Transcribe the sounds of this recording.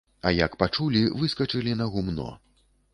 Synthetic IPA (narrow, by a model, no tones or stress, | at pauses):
ɐjɐkpat͡ʂulʲivɨskɐt͡ʂɨlʲinɐɣumnɔ̰